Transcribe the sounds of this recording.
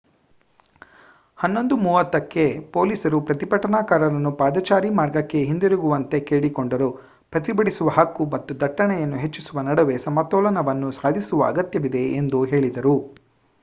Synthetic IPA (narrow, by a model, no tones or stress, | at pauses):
hɐnːo̞nd̪umuːʋɐt̪ːɐkːe̞po̞ːliːsɐɾupɾɐt̪ipɐʈɐnaːkaːɾɐɾɐnːupaːd̪ɐt͡ʃaːɾimaːɾɡɐkːe̞ɦind̪iɾuɡuʋɐnt̪e̞keːɽikoɳɖɐɾu | pɾɐt̪ibɐɽisuʋɐɦɐkːumɐt̪ːud̪ʱɐʈːɐɳɛjɐnːuɦet͡ʃːisuʋɐnɐɽɐʋe̞sɐmɐt̪ɔːlɐnɐʋɐnːusaːd̪ʱisuʋɐɐ̰ɡɐt̪jɐʋid̪e̞ːnd̪uɦe̞ːɭid̪ɐɾu